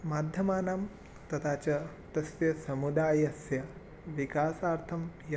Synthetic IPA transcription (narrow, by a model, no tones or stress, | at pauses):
maːd̪ʱjɐmaːnaːm | t̪ɐt̪ʰaːt͡ʃɐ | t̪ɐsʋjɐsɐmud̪aːjɐɐsjɐ | ʋikaːsaːɾt̪ʰɐmjɐ